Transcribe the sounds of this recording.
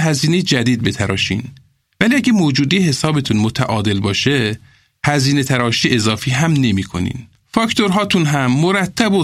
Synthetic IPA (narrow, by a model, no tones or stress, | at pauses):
ɦæziːne̞jed͡ʒæd̪iːd̪̚be̞t̪ʰæɾɒ̰ːʃḭːn | væliːæɡæmoːd͡ʒuːd̪ejehesɒːbe̞t̪ʰunmot̪ʰæʔɒːd̪e̞lbɒːʃe | hæziːne̞t̪ʰæɾɒːʃiːʔezɒːfiːɦæmne̞miːkʰo̞̰nḭːn | fɒct̪o̞ɾɦɒːt̪ʰunɦæmːoɾæt̪ʰːæbo